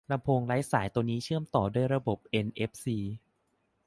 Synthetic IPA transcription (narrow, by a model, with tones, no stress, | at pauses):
la˧mpʰoː˧ŋla˦˥jsaː˩˦jt̪u˧ŋniː˦˥t͡ɕʰɯ˥˩əmt̪ɔː˨˩du˥˩əjɾa˧bo˨˩p̚ʔe˧nʔe˦˥p̚siː˧